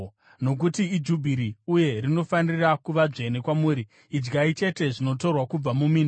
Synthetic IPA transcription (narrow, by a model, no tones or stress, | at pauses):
no̞k̬utiːd͡ʒubʱiɾiuje̞rino̞fanirakuʋad͡ʐe̞ne̞kwamuːɾiː | d͡ʒɡait͡ʃe̞te̞ʐino̞to̞rwakub͡vamumiːno